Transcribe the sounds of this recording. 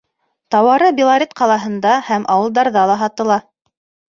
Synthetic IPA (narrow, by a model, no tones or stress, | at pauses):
t̪ɑwɑɾɤbʲilˠaɾʲet̪qɑlˠɑɦɤ̆nd̪ɑhæmʔɑwɤ̆lˠd̪ɑɾðɑlˠɑɦɑt̪ɤ̆lˠɑ